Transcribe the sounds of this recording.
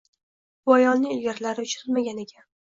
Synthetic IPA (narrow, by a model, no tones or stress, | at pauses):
bɒjɒnːɪŋʲɪlɡʲaɾlaɾɪʊt͡ʃʰɪɾɪlmaɡʲane̞kʲʰa